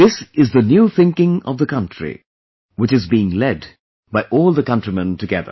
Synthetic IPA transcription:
ðɪsɨzðɨnjuθɪ̃ŋkɪ̃ŋʌ̰vðəkʰʌ̃ntɹ̥ḭ | wɨt͡ʃɨzbiɪ̃ŋlɛd | baɪʔɔːlˠðəkʌ̃ntɹimə̃ntɨɡɛðə̰˞

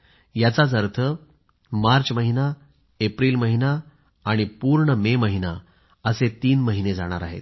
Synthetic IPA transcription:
jat͡sat͡səɾt̪ʰə | maɾt͡sməɦina | epɾiːlməɦinaː | ɽ̃ipuːɾɳəmeməɦina | əset̪iːnməɦined͡zaɽ̃a̰ɾa̰ɦḛt̪̚

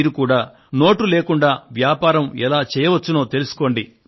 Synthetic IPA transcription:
ɾukuːɽaː | no̞ːʈuleːkuɳɖaːʋjaːpaːɾɐmɛlaːt͡ʃɛːjɐʋɐt͡ʃːuno̞ːt̪e̞lusu̥ko̞ːɳɖi

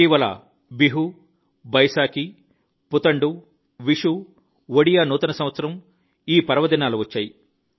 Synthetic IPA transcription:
iːʋɐlɐ̰ | biɦu | bɐjʃaːki | put̪ɐɳɖu | ʋiʂu | ʋoɽijaːnuːt̪ɐnɐsɐm̃ʋɐt̪sɐɾɐm | iːpɐɾɐʋɐd̪inaːluʋɐt͡ʃːaːji

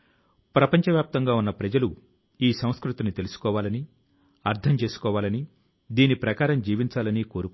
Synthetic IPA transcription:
pɾɐpɐɲt͡ʃɐʋjaːp̚t̪ɐŋɡaːunːɐpɾɐd͡ʒɐlu | iːsɐ̃w̃skɾut̪inut̪e̞lusu̥kɔːʋaːlɐni | ɐɾt̪ʰɐmt͡ʃe̞ːsu̥kɔːʋaːlɐni | d̪iːnipɾɐkaːɾɐmd͡ʒiːʋiɲt͡ʃaːlɐniːko̞ːɾuk

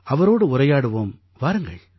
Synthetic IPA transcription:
ɐʋɐɾoːɽɯʊɾɐjaːɽɯʋoːm | ʋaːɾɯŋɡɐ̰ɭ

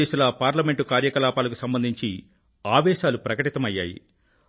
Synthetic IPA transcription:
eːʃulɐpaːɾlɐme̞ɳʈukaːɾjɐkɐlaːpaːlɐkusɐmbɐnd̪ʱiɲt͡ʃi | aːʋɛːʃaːlupɾɐkɐʈit̪ɐmɐjːa̰ːjḭ

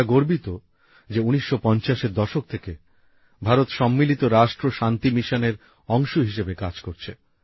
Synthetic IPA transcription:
ɡoɾbit̪o | d͡ʑeuniʃːopɔnt͡ɕaʃeɾd̪ɔʃok̚t̪ʰeke | bʱaɾot̪ʃɔmːilit̪oɾaʃʈɾoʃant̪imiʃoneɾ | ɔŋʃoɦiʃebekad͡ʑkoɾt͡ɕʰe

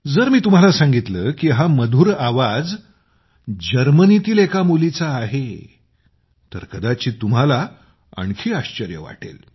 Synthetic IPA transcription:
d͡zəɾmiːt̪um̤alasãŋɡit̪ləkiːɦaməd̪ʱuːɾaʋad͡z | d͡ʑəɾmənit̪iːlekamulit͡saːɦe | t̪əɾkəd̪at͡ɕiːt̪um̤ala | ə̰ɳkʰiːaɕt͡ɕəɾjə̰ʋa̰ʈḛl

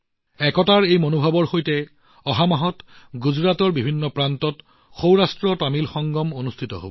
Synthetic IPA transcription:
ɛkɔtaɹejmonobʱabɔɹxojtɛ | ɔɦamaɦɔtɡuzɹatɔɹbibʱinːɔpɹantɔt | xowɹastɹɔtamilxɔŋɡɔmonustʰitɔ̰ɦo̰bɔ

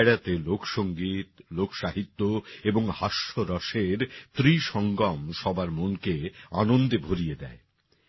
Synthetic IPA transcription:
ɽat̪elokʰʃoŋɡit̪lokʰʃaɦit̪ːoeboŋhaʃːoɾɔʃeɾt̪ɾiʃɔŋɡɔmʃɔbaɾmonkeanond̪ebʱoɾijed̪ɛ̰e

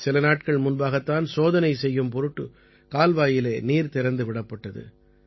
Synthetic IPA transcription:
sɪlɐnaːʈ̚kɐɭmʊnbaːɣɐt̪ːaːnsoːðɐnɐɪsɛjːɯmpɔɾɯʈːɯ | kaːlʋaːjɪleːniːɾt̪ɪɾɐnd̪ɯʋɪɽɐpːɐʈːɐðɯ̰

